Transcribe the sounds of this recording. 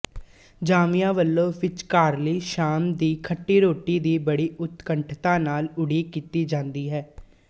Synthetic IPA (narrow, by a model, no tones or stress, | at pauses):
d͡ʒaːmijãːʋəlːõːʋɪt͡ʃkaːɾliːʃaːmd̪iːkʰəʈːiːɾoːʈiːd̪iːbəɽiːʔʊt̪kəɳʈʰt̪ãːnaːlʊɽiːkiːt̪iːd͡ʒãːnd̪iːɦɛː